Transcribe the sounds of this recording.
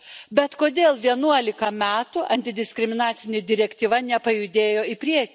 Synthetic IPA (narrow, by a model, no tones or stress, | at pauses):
bʲɛt̪koːd̪ʲeːlˠʋʲiɛnuɔlʲɪkɐmʲæːt̪ʊʔɐnʲt̪ʲɪd̪ʲɪsʲkʲɾʲɪmʲɪnɑːt̪sʲɪnʲeːd̪ʲɪɾʲɛkʲt̪ʲiːʋɐnʲɛpɐjʊd̪ʲeːjoːɪpʲɾʲiɛkʲː